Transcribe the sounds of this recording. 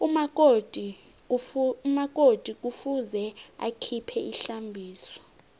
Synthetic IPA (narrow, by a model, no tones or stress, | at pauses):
umakʼod̥ʱi | mak̬ʼod̥ʱik̬ʼufuzɛa̰kʰipʰɛʔiɬambʱiːsɔ̥